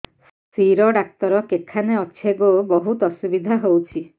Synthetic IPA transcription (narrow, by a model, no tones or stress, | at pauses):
ssiɾɔɖak̚t̪ɔɾɔkekʰaneɔt͡ʃʰeɡobɔɦut̪ɔsubid̪ʱaɦowt͡ʃʰi